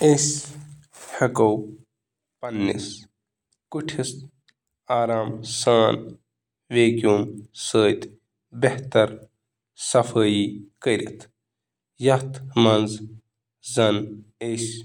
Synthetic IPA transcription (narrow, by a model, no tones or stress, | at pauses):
es | hɐkɐw | pɐnːḭs | kuʈʰis | aːɾaːmsaːn | ʋeːkuːmsəːt̪ | beht̪ɐɾ | sɐfəːiːkəɾʲḭt̪ʰ | jɐt̪ʰmɐnz | zɐnes